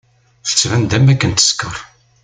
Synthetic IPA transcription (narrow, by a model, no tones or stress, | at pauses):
θə̥t͡sːvænd̪æmækːənt̪ə̥skəɾˤ